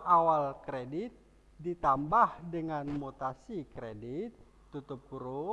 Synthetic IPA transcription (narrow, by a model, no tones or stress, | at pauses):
awalkɾedɪt̪̚ | dit̪ambahdəŋanmot̪asikɾedɪt̪ː | ut̪ʊp̚uɾu